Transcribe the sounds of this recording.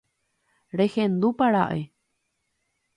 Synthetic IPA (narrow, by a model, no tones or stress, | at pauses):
ɾehẽnd̪upaɾa̰ʔe